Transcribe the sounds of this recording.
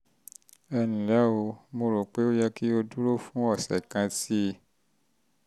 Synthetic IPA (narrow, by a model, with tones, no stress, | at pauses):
ɛ˧nĩ˨la˨˦o˧mo˧ɾo˨k͡pe˦o˦jɛ˧ki˦o˧du˦ɾo˦fũ˦ɔ˦˨sɛ̰˨kã˧ti˦˨